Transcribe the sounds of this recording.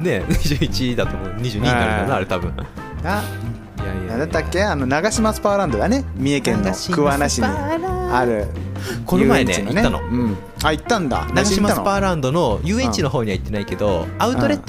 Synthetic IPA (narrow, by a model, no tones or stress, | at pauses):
ne̞ɲiʑɨːit͡ɕid̪at̪oːmoːɲ̟iʑɨːɲiaɾɯanaɾe̞t̪abɯ̟̃ɴ | a | jaijaad̪et̪ːakːeanonaɡaɕimasɨ̥paːɾãnd̪oɡanemʲiekẽnːaikɯβanaɕiɲiaɾɯ̟ | konomaẽnḛnitneːano̰ɯ̃ɴ | ait̪ːãnd̪a̰naɡaɕimaaɨopaːɾãnd̪o̞no̞jɯːẽ̞ɲt͡ɕino̞ɦo̞ːɲ̟iβait̪ːe̞naike̞d̪o̞aɯ̟tt̪o̞ɾe̞t̪ː